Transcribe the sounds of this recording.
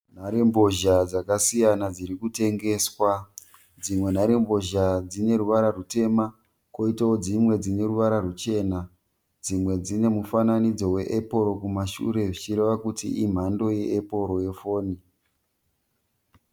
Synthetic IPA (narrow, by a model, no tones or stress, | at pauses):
n̤aɾembo̞ʒad͡zakasijanad͡ziɾikute̞ŋɡe̞swa | d͡zimwe̞n̤aɾembo̞ʒad͡zine̞ɾuʋaɾarute̞ma | ko̞itaod͡zimwe̞d͡zine̞ɾuʋaɾarut͡ʃe̞ːna | d͡zimwe̞d͡zine̞mufananid͡zo̞we̞ʔepo̞ɾo̞kumaʃṵɾe̞ʐit͡ʃiɾe̞ʋakutḭim̤ando̞je̞ʔːpo̞ɾo̞je̞fo̞ːni